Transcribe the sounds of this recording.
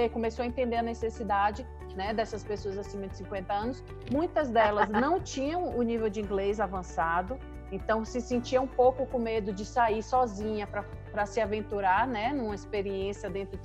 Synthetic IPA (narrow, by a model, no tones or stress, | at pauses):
ekõmesoɐẽnt̪ẽnd̪eɾɐnesesid̪ad͡ʒɪ | nɛd̪ɛsɐspesoɐzasĩmɐd͡ʒɪ̥sĩkwẽnt̪ɐɐ̃nʊs | mũj̃t̪ɐzd̪ɛlɐznɐ̃w̃t͡ʃĩɲɐ̃w̃ʊnivewd͡ʒɪĩɡlezavɐ̃sad̪ʊ | ẽnt̪ɐ̃w̃sɪsẽnt͡ʃiɐũpowkʊkõmed̪ʊd͡ʒɪsaiɾsɔzĩɲɐpɾɐ | pɾɐsɪavẽnt̪uɾaɾnɛnũmɐispeɾiẽsijɐd̪ẽnt̪ɾʊ